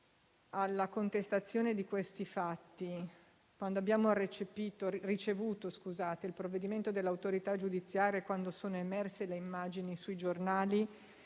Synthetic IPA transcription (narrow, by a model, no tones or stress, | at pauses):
alːakont̪est̪at̪sːjoːned̪ikwest̪ifat̪ːi | kwand̪oabːjaːmoret͡ʃepiːt̪orit͡ʃevuːt̪oskuzaːt̪eilpɾovːed̪iment̪od̪elːawt̪oɾit̪ad͡ʒud̪it̪sːjaːɾiakwand̪osoːnoemɛrseleimːaːd͡ʒinisuid͡ʒornaːli